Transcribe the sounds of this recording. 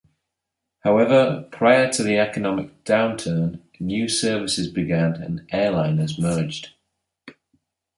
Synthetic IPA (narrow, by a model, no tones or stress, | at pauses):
haʊɛvəpʰɹ̥aɪətʰəðiɛkənɒmɪk̚d̥ãʊ̃ntʰɜːn | njʉːsɜːvɪsɪzbɪɡãnə̰̃nʔɛːlãɪ̃nəzmɜːd͡ʒd̥